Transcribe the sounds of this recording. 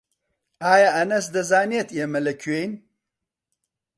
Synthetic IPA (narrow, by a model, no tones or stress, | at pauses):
aːjaʔɐnɐsd̪ɐzaːnet̪ʰeːmɐlɐkʰɥejn